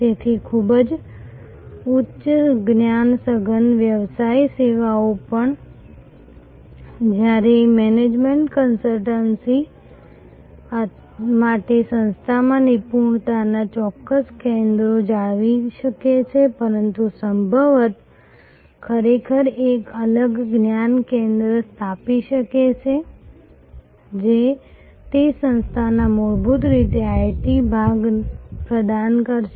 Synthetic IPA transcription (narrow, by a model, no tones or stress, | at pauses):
t̪et̪ʰikʰubəd͡ʒ | ʊtːʃɡnjansəɡənʋjəʋsaiseʋaopəɳ | d͡ʒjaɾemɛned͡ʒmeɳʈkənsəlʈənsi | maʈesə̃nst̪ʰamãnipuɳt̪anat͡ʃɔkːəskẽnd̪ɾod͡ʒaɭʋiʃəket͡ʃʰepəɾənt̪usəmbʱəʋət̪ | kʰəɾekʰəɾekələɡɡnjankẽnd̪ɾəst̪ʰapiʃəket͡ʃʰe | d͡ʒe | t̪esə̃nst̪ʰanamoɾbut̪ɾit̪eajʈibʱaɡpɾəd̪ankəɾʃ